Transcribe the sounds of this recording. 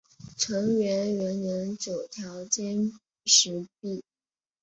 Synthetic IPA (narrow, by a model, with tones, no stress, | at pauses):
ʈ͡ʂʰɤ˧˥ŋɥɛ˧˥nɥɛ˧˥nnə˧˥nt͡ɕjo˨˩ʊt̪ʰjɑ˧˥ʊt͡ɕjɛ˥n | ʂɻ̩˧˥pi˥˩